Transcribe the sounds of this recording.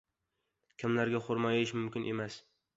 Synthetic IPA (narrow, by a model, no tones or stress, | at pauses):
kʲʰɪmlaɾɡʲaχʊɾmajɪʃmʊmkʲɪnʔemas